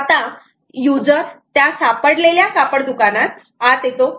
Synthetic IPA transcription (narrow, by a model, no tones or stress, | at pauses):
at̪ã | jud͡zəɾt̪jasapəɽleljasapəɽd̪ukanat̪̚ | at̪et̪o